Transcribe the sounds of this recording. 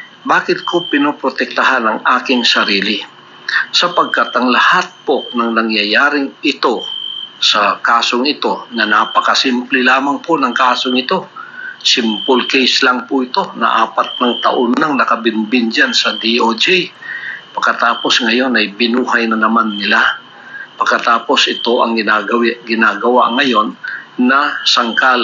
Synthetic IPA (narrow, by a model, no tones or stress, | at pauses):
baːkɪt̪̚kopɪnopɾot̪ɛk̚t̪ɐɦanɐŋʔaːkɪŋsɐɾiːlɪ | sɐpɐɡ̚kat̪ʔɐŋlɐhat̪̚ponɐŋnɐŋjɐjaːɾɪŋʔɪt̪o̞sɐkaːso̞ŋɪt̪o̞nɐnapɐkɐsimplɛlaːmɐŋponɐŋkaːso̞ŋɪt̪o̞sɪmpʊlkɛjslɐŋpʊʔɪt̪o̞nɐ̰ʔaːpɐt̪̚nɐŋt̪ɐ̰ʔonːɐŋnɐkɐbɪnbɪnd͡ʒansɐd̪iʔod͡ʒɛ | pɐɡ̚kːɐt̪aːpo̞sŋɐjo̞nɐjbɪnuːɦɐjnɐnɐmanːɪla | pɐɡkːɐt̪aːpo̞sʔɪt̪o̞ʔɐŋɡɪnaɡɐwɡɪnaːɡɐwa̰ŋɐjo̞nːɐsɐŋkal